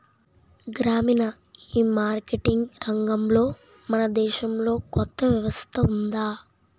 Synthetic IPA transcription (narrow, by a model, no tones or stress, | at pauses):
ɡɾaːminɐ | iːmaːɾkeʈiŋɡɾɐŋɡɐmlo̞ː | mɐnɐd̪ɛːʃɐmlo̞ːkɔt̪ːɐʋjɐʋɐst̪ʰɐund̪aː